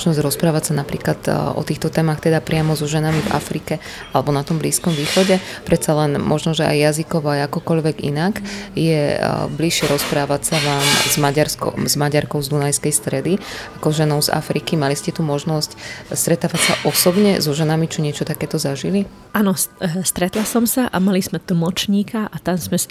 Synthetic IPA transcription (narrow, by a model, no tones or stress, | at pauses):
ʒnɔzɟɾɔspɾaːʋacsanapɾḭːklat̪ʔɔ̰t̪iːxt̪ɔt̪ɛːmaxt̪ɛd̪apɾɪamɔzɔʒɛnamiva̰fɾikɛ | alɛbɔnat̪ɔmbliːskɔmʋiːxɔɟɛpɾʔɛt̪salɛnmʔɔʒnɔʒɛʔa̰jːazikɔʋɔajakɔkɔʎʋɛɡḭnakjɛbliʃɪɛɾɔspɾaːʋacsaʋaːmzmaɟaɾskɔ̰zmaɟaɾkɔʊzd̪unajskɛjst̪ɾɛd̪iakɔʒɛnɔʊza̰fɾikimaliscɛt̪umɔʒnɔscst̪ɾɛt̪aːʋacsaʔɔsɔbɲɛ̰zɔʒɛnamit͡ʃɔɲɪɛt͡ʃɔt̪akɛːt̪ɔzaʒili | ʔanɔst̪ɾɛt̪lasɔmsaʔamalizmɛt̪̩mɔt͡ʃɲiːkaʔat̪amzmɛ